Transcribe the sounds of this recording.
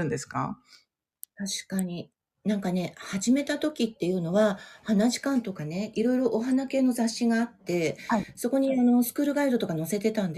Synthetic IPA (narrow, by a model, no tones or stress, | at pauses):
ɯ̟̃nd̪e̞sɨ̥ka̰ | t̪aɕi̥kaɲ̟i | nãŋkane̞haʑime̞t̪at̪o̞kʲit̪ːe̞jɯ̟no̞βahanaʑi̥kãnt̪o̞kane̞iɾo̞iɾo̞ʔːɦanake̞ːno̞zaɕːiɡaːt̪ːe̞so̞ko̞ɲ̟iano̞sɨ̥kɯ̟ːɾɯ̟ɡaid̪o̞t̪o̞kano̞se̞t̪e̞t̪ãnd̪